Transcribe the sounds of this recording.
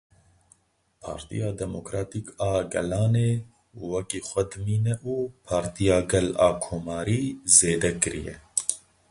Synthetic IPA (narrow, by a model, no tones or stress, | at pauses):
pʰɑ̰ːɾt̪ḭjɑːd̪ɛmokɾaːt̪iːkɑːɡɛ̰lɑːneː | wɛkiːxʷɛd̪ɨmiːnɛʔuːpʰɑːɾt̪ijɑːɡɛlɑːkʰoːmɑːɾiːzeːd̪ɛkɨɾḭjɛ̰